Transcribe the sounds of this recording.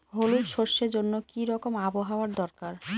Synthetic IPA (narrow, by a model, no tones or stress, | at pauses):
ɦolujʃoɾʃeɾd͡ʑonːokiɾɔkomaboɦaoaɾd̪ɔɾkaɾ